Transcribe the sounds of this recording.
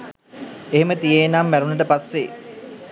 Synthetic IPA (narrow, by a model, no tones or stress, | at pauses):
eɦemət̪ijeːnamːæɾunəʈ̬əpasːe